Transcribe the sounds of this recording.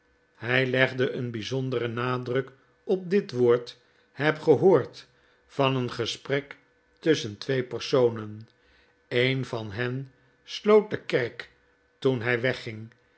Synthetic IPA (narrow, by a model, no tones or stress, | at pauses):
hɛjlɛχdəʔənbizɔndərənaːdrɵk | ɔp̚dɪtʋoːɹt | hɛpχəɦoːɹt | fɑnənχəsprɛk | tɵsəntʋejpərsownən | ejnvɑnɦɛn | slowt̚dəkɛɹk | tunɦɛjʋɛχɪŋ